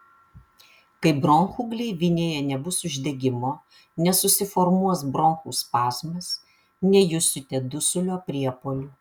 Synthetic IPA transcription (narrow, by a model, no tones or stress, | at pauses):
kɐɪbɾɔŋxuːɡlʲɛɪʋʲɪnʲeːjɛnʲɛbʊsʊʒʲd̪ʲɛɡʲɪmoː | nʲɛsʊsʲɪfɔɾmuɔsbɾɔŋxṵːspɑːsʲmʲɛs | nʲɛjʊsʲʊt̪ʲeːd̪ʊsʲʊlʲoːpʲɾʲiɛpoːlʲuː